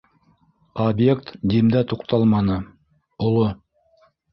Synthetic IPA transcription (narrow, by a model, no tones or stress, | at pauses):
objekt̪d̪imd̪æt̪uqt̪ɑlˠmɑnɤ | ŏlˠo